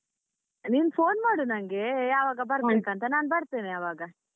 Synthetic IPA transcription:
niːnpʰoːnmaːɽunɐŋɡe̞jaːʋaːɡɐbɐɾbeːkɐnt̪ɐnaːnbɐɽt̪eːneɐʋaːɡɐ

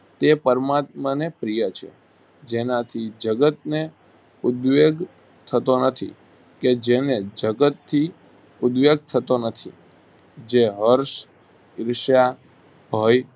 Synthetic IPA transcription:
t̪epəɾmat̪̚mənepɾijət͡ʃʰḛ | d͡ʒenat̪ʰid͡ʒəɡət̪̚ne | ʊd̪ʋeɡ | t̪ʰət̪onət̪ʰḭ | ked͡ʒened͡ʒəɡət̪ʰːi | ʊd̪ʋeɡ̚t̪ʰət̪onət̪ʰḭ | d͡ʒeɦəɾʃ | ɪɾʃja | bʱəj

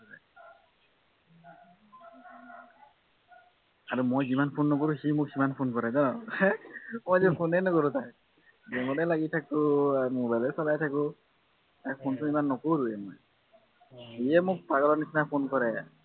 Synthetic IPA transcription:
a | aɾumojd͡ʒimanpʰonːɔk̬oɾusimuksimanpʰonkɔɾɛd͡ʒanɔ | mojd͡ʒekʰonenɔkɔɾut̪aj | d͡ʒɛŋɔɾɛlaɡitʰakuamobajlesɔlajtʰaku | ɛkpʰontuimanːɔkoɾuemo̰j | ijɛmukpaɡɔlɔnisnapʰonkɔɾɛ

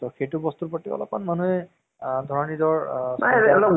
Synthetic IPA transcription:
tɔxejtubɔstupɔtːiɔ̰lɔ̰p̚anmanuɛ | dʱɔɹɔnidɔɹsaɛlɔ

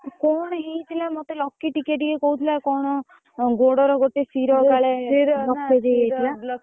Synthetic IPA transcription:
kɔɽ̃ɔɦejt̪ʰilamɔt̪elɔkːiʈikeʈ̬ikekɔɦut̪ʰilakɔɽ̃ɔ | ɡoɽɔɾɔɡoʈesiɾɔkaɭelɔkːed̪eeila

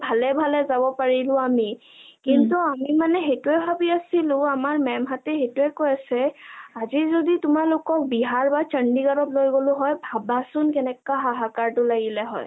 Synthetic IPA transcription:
bʱalɛbʱalɛzabɔpaɹilʊ̃ami | kintuamimanɛxejtuɛbʱabiasilʊ̃amaɹmɛmɦatɛxetuɛkojasɛazizoditʊmaɹlʊkɔk̚biɦaɹbat͡ʃəɳdiɡaɹɔtlojɡolʊɦɔjbʱabasʊnkɛnɛkaɦaɦakaɹtʊlaɡilɛɦɔ̰j

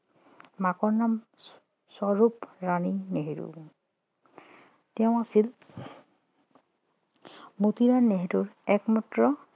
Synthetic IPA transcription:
makɔɹnam | sɔɹupɹanineɦiɹṵ | tɛʊ̃asil | mutiɹanːeɦetuɹɛkmatɹɔ

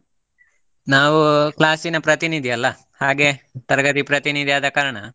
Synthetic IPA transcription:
naːʋuklaːsinɐpɾɐt̪inid̪ʱiɐlːɐ | haːɡe̞t̪ɐɾɡɐt̪ipɾɐt̪inid̪ijaːd̪ɐkaːɾɐɳɐ̰

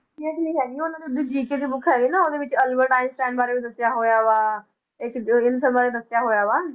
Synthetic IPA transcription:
kiɛ̃ːknə̃ĩːɦɛːɡiːʊnãd̪id̪id͡ʒiːked͡ʒibʊkʰɛːɡinãːod̪eːʋɪt͡ʃəlbəɾʈaːɪ̃msʈɛ̃ːɳɖbaːɾeːʋid̪əsjaːɦoːjaːʋaː | ɪkɪnsəɾbaːɾed̪əsɪjaːɦoːjaːʋaː

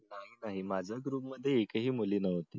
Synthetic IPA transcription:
naɦinaɦimad͡zʱjaɡɾuːpməd̪ʱːjeːkəɦiːmuliːnəʋ̤t̪iː

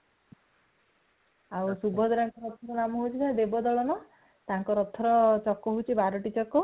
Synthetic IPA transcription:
awsubʱɔd̪ɔɾaŋkɔɾɔt̪ʰɔkɔnamɔɦot͡ʃʰit̪ad̪ebɔd̪ɔɭɔnɔ | t̪aŋkɔɾɔt̪ʰɔɾɔt͡ʃɔkːɔɦowt͡ʃʰibaɾɔʈit͡ʃɔkɔ

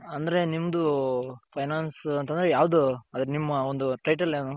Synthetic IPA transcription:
ɐnd̪ɐɾe̞nimːɐd̪upʰɐjnaːnsɐnt̪ɐnd̪ɾejaːʋd̪uɐd̪ɾenimːɐond̪uʈɐjʈɐlːeːnu

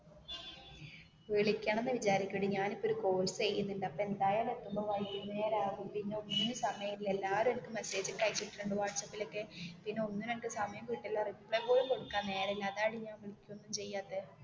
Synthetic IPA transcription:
ʋeɭikʲːaːɳenːɐʋit͡ɕaːɾikʲːuɽeɲaːnipːooɾuko̞ːlsɨt͡ɕejjːunːuɳɖɨɐpːoe̞nd̪aːjaːlet̪ːumoːʋɐjkːunːeːɾaːɣumpinːe̞onːunsɐmɐjɐile̞lːaːʋɐɾumenikːɨmese̞ːd͡ʑɨkɐjt͡ɕːiʈːiʈːuɳɖɨʋaːʈsɐpːilo̞kːepinːe̞onːunenkːɨsɐmɐjɐmkiʈːelːɐrimːpːɭepːo̞ːlumko̞ɽukːaːnːe̞ːɾɐilːɐðaːɽiɲaːnʋeɭikʲːuonːumt͡ɕe̞jːaːt̪ːe

